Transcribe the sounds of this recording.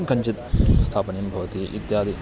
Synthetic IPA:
ŋkɐɲt͡ʃit̪̚st̪ʰaːpɐnijɐmbʱɐʋɐt̪iʔḭt̪jaːd̪ʱi

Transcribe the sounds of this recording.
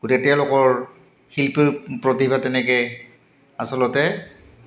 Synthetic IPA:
ɡutɛtɛjalɔkɔɹ | hilpiɹpɹɔtibʱatɛnɛkɛ | asɔlɔtɛ

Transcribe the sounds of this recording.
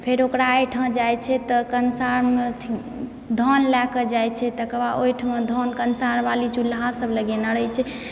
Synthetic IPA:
pʰeɾokɾaːjʈʰə̃d͡ʒajt͡ʃʰɛt̪ɔkənsaɾmet̪ʰ | d̪ʱɔnlakəd͡ʒajt͡ʃʰɛt̪əkəbaʔojʈʰmẽd̪ʱɔnkənsaɾbalit͡ʃulːɦasəbləɡenəɽəjt͡ʃʰɛ

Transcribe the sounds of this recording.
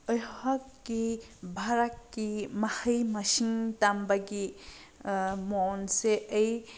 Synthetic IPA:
ɔjhɔtkːibʱaɾat̚kimahəjmɐsiŋtambaɡi | monseəj

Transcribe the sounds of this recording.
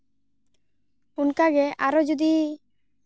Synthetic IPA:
unkaɡɛʔaɾɔd͡ʒud̪i

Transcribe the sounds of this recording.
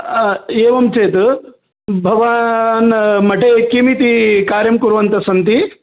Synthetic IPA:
eːʋɐmt͡ʃeːt̪u | bʱɐʋaːnmɐʈʰekimit̪ikaːɾjɐmkuɾuʋɐnt̪ɐsɐnt̪i

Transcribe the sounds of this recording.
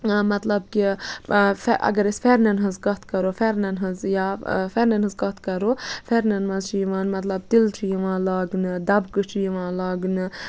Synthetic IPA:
mɐt̪lɐbki | fʔɐ̰ɡɐɾesfʰeɾnɐnɦɐzkɐt̪̚ʰkɐɾoːfeɾnɐnɦɐzjaːfeɾnɐnɦɐzkɐt̪ʰkɐɾofeɾnɐnmɐzt͡ʃʰijiʋaːnmɐt̪lɐb̚t̪ilt͡ʃʰijiʋãːlaːɡnɨd̪ɐbkɨt͡ʃʰijiʋãːlaːɡnɨ

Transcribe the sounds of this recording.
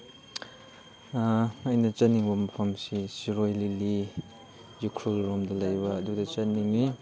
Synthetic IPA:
ɐjnɐt͡ʃaniŋbɐmɐpʰɐmsisiɾojlili | zikʰɾulɾɔmdɐlajbɐːdudɐt͡ʃɐniŋni

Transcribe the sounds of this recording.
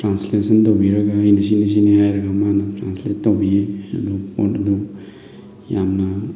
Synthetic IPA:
tɾanslesɐntɔbiɾaɡaːjnis̬inis̬iniajɾaɡamanatɾansletɔbiɐ̰d̪upɔtɐd̪u | jamna

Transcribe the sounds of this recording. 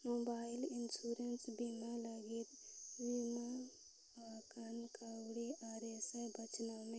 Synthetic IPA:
mobailinsuɾensbimaləɡit̪bima | akʰənkʰəwɽiʔaɾesebət͡ʃnɔme

